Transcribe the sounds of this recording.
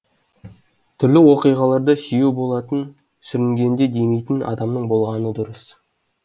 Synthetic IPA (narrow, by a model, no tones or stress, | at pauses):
t̪ʰʏɾlɪwo̞qijʁɑlˠɑɾd̪əsijewbo̞lˠɑt̪ən | sʏɾɪŋɡʲe̞nd̪e̞d̪e̞jmejt̪ɪnɑ̰d̪ɑmnəɴbo̞lˠʁɑnəd̪ʊɾəs